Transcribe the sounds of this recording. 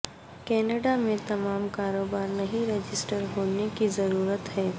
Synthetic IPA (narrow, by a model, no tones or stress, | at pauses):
kɛːnəɖamẽt̪ɐmaːmkaːɾoːbaːɾnɐɦĩɾed͡ʒɪsʈəɾɦoːnekizɐɾuːɾət̪hɛː